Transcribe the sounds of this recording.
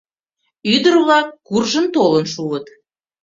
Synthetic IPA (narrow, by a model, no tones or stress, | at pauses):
yd̪ərβlɑkːurʒənt̪olənʃuət̪